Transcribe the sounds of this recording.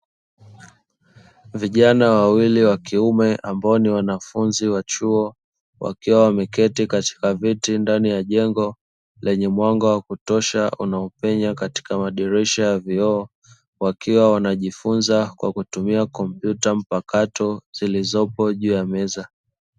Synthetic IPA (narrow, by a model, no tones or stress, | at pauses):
viʄanawawiliwakiumɛʔambaɔniwanafunziwat͡ʃuɔ | wʔa̰kiwawamɛkɛtikati̥kavitindanijaʄɛŋɡɔ | lɛɲɛmwaŋɡɔwakutɔʃaṵnaɔpɛɲakati̥kamaɗiɾɛʃajaviɔː | wakiwawanaʄifunzakwa̰kutumiakɔm̩pjutam̩pakatɔz̥ilizɔpɔʄuːjamɛza